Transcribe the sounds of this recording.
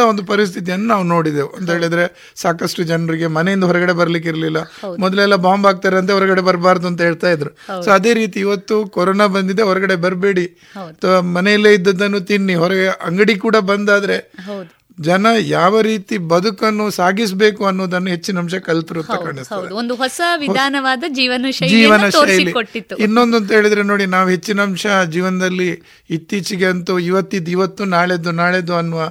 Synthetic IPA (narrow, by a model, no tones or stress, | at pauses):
ɐond̪upɐɾis̬t̪ʰit̪̬ijɐnːunaːʋuno̞ːɽid̪euɐnt̪ɐɦeːɭid̪ɾe̞ | saːkɐsʈud͡ʒɐnɐɾiɡe̞mɐnejind̪ɐɦɔɾɐɡɐɽe̞bɐɾɐlik̬iɾɐlilːɐmɔd̪ɐlɛlːɐbaːmbaːɡ̚t̪aːɾeɐnt̪eɦɔɾɐɡɐɽe̞bɐɾbaːɾd̪uɐnt̪ɐɦeːɭt̪aːjid̪ɐɾusoːɐd̪e̞ːɾiːt̪iːʋɐt̪ːukɔɾoːnabɐnd̪id̪eɦɔɾɐɡɐɽe̞bɐɾbe̞ːɽi | ɐt̪ʰʋɐmɐnejilːeid̪ːɐd̪ːɐnːut̪iɳːiɦɔɾɐɡɐɽeʔɐŋɡɐɽikuːɽɐbɐnd̪aːd̪ɐɾe̞ɦɐwd̪u | d͡ʒɐnɐjaːʋɐɾiːt̪ibɐd̪ʱukɐnːusaːɡis̬be̞ːkuɐnːoːd̪ɐnːuɦe̞t͡ʃːinɐmʃɐkɐlt̪iɾuɐnɐkaːɳist̪ɐɐdeond̪uɦɔsɐʋidɔaːnɐʋaːd̪ɐd͡ʒiːʋɐnɐʃɐjd͡ʒiːʋɐnɐʃɐjɐilikoʈːit̪ːuinːond̪ɐnt̪ɐɦe̞ːɭid̪ɐɾe̞no̞ːɽinaːʋuɦe̞t͡ʃːinɐmʂɐd͡ʒiːʋɐnɐd̪ɐlːiː | t̪ːit͡ʃiɡe̞ɐnt̪uiʋɐt̪ːid̪uiʋɐt̪ːunaːɭed̪unaːɭed̪uɐnːuʋɐ